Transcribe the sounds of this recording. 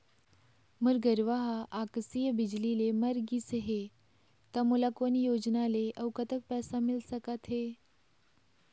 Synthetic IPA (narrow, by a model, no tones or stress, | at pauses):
məɾɡəɾʋaɦaʔaksijəbid͡ʑlileməɾɡisɦe | t̪amulakonijod͡ʑnaleʔəwkət̪ək̚pɛsamilsəkat̪ɦe